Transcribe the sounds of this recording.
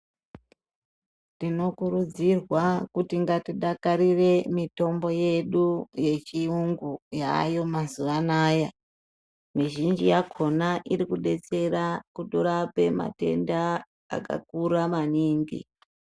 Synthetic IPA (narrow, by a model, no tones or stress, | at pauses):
tino̞kuɾud͡zirwakutiŋɡatiɗakaɾire̞mito̞mbo̞je̞ɗuje̞t͡ʃiuŋɡuja̰ːjo̞mazuʋanaːja | miʒind͡ʒijakʰo̞naʔiɾikuɗe̞t͡se̞ɾakuɗoɾape̞ma̰te̞nda̰ː | ka̰k̚uɾamaniːŋɡḭ